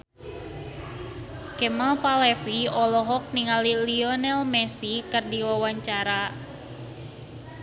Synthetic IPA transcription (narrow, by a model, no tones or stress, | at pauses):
kɛmalpalɛfiɔlɔɦɔk̚niŋaliliɔnɛlmɛsikɨrdiwawaɲt͡ʃaɾa